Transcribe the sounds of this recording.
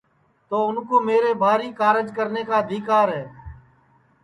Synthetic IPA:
t̪oːʊnkoːmeːɾeːbʱaːɾiːkaːɾəd͡ʒkəɾneːkaːəd̪ʱiːkaːɾɦɛː

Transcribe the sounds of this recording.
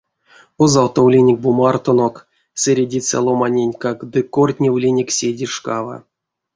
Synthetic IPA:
ozalˠt̪owlʲinʲek̚ʲbumart̪onok | sʲeɾʲedʲit͡sa̰lˠomanʲenʲkakd̪ɨkort̪ʲnʲewlʲinʲeksʲedʲiʂkava̰

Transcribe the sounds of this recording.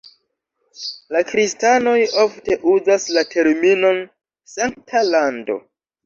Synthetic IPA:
lakɾistano̞jofte̞ʔuzaslatʰe̞ɾmino̞n | saŋktʰalando̞̰

